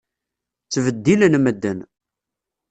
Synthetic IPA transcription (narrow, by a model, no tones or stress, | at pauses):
t͡sːvəd̪ːilənməd̪ːən